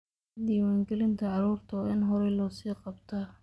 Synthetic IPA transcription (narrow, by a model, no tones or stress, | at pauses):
d̪iːwaːŋɡɛlɪnt̪ʰɐʕɑɾuːrt̪ʰɔɪnɦɔɾɛlɔːsiːqɑbt̪ʰa